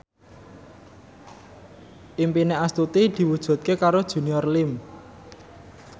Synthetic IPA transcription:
ʔimpineast̪ut̪id̪̥i̤wud̥ʒ̥ṳt̪̚kekaɾod̥ʒ̥ṳniɔrlɪm

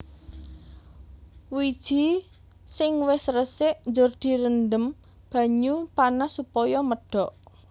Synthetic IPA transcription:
wid̥ʒ̥i̤ | sɪŋwɪsɾəsɪʔnd͡ʒʊrd̪̥i̤ɾəndəm | b̥ä̤ɲupanasupɔjɔməɖ̥ɔʔ

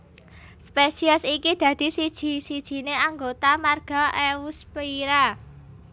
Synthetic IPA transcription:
spesiəsikid̪̥ä̤d̪̥i̤sid̥ʒ̥i̤sid̥ʒ̥i̤neaŋɡot̪amarɡ̥a̤ʔewuspiiɾa

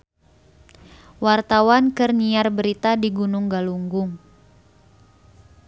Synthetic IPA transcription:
wart̪awankɨrniarbəɾit̪adiɡunʊŋɡaluŋɡʊŋ

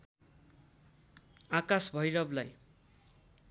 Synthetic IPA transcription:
akasbʱʌjɾʌblaj

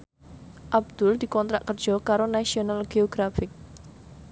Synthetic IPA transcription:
ʔab̚d̪̥ʊld̪̥i̤kɔnt̪ɾaʔkərd̥d͡ʒ̥ɔ̤kaɾonasionalɡ̥eoɡ̥ɾafɪk̚

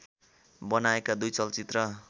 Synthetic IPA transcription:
bʌnaekad̪ujt͡sʌlt͡sit̪rʌ

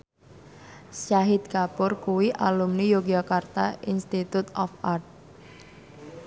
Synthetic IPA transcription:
saɦid̪̚kapʊrkuwiʔa̰lumnijoɡakart̪ainst̪it̪ut̪ɔfʔart̪̚

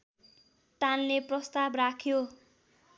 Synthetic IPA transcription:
t̪anleprʌst̪abrakʰjo

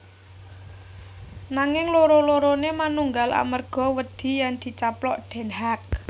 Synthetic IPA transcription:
naŋɪŋloɾoloɾonemanuŋɡalʔa̰mərɡ̥ɔ̤wəd̪̥i̤jand̪̥i̤t͡ʃaplɔʔɖ̪̥ɛ̤nɦak̚

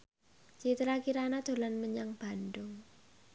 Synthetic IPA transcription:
t͡ʃit̪əɾakiɾanad̪̥o̤lanməɲaŋb̥a̤nɖʊŋ

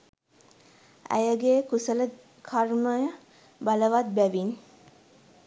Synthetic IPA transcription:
æ̰jəɡeːkusələ | kʰarməjə | baləʋat̪̚bæʋin

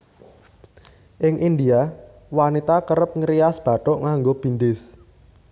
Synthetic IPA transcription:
ʔɪŋʔind̪ia | wanit̪akəɾəp̚ŋɾiasb̥ä̤ʈɔʔŋaŋɡob̥i̤nd̪ɪs

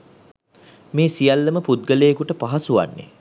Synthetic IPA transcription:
meːsijalːəməpud̪̚ɡəlejəkuʈəpaɦasuʋa̰nːḛ

